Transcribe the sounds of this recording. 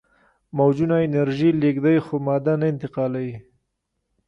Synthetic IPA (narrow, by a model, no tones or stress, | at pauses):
mawd͡ʒunaɪnaɾʒileɡd̪ajxomɑd̪anaɪnt̪ɪqɑlawi